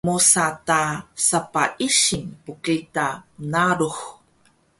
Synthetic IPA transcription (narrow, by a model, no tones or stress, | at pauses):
musatasapaʔiɕinpukitamənaɾux